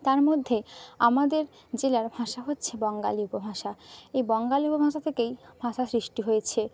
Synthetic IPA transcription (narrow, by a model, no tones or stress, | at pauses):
t̪aɾmod̪ʱːea̰mad̪eɾ | d͡ʑelaɾbʱaʃaɦotːɕʰebɔŋɡa̰liupobʱaʃaejbɔŋɡaliupobʱaʃat̪ʰekejbʱaʃasɾiʃʈiɦojet͡ɕʰe